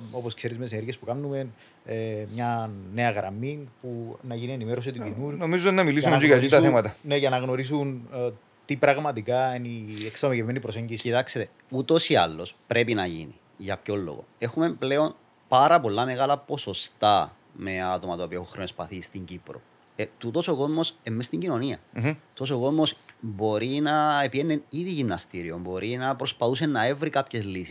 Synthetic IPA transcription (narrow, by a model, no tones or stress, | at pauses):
o̞po̞skseɾizmeseneɾʝiespukɐnːume̞n | emɲɐne̞ɐɣɾɐminpunɐʝinie̞nimeɾos̬it̪ucinuɾunomizonɐmilisuikait̪ɐθemɐt̪ɐneʝɐnɐɣno̞ɾis̬un | t̪ipɾɐɣmɐt̪ikɐenieksomecevimenipɾo̞se̞ɲɟisiit̪ɐkset̪e | ut̪o̞siɐ̰lːo̞spɾʔe̞pinɐʝḭnḭ | ʝɐpço̞lːo̰ɣo̞̰e̞xume̞mple̞o̞n | pɐɾɐpo̞lːɐme̞ɣɐlɐpo̞sost̪ɐ | me̞at̪o̞mɐt̪oːpioeoŋxɾonespɐθist̪iɲɟipɾo̞̰ | et̪ut̪o̞soko̞zmo̞semːest̪iɲɟino̞niɐ̰ut̪os̬o̞ko̞zmo̞sbo̞ɾinɐepienːeniðiʝimnɐst̪iɾiombo̞ɾʔinɐpɾo̞spɐθus̬e̞nːɐe̞vɾikapçe̞zlisi̥s